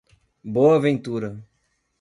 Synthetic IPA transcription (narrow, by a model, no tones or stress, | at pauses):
boɐavẽnt̪uɾɐ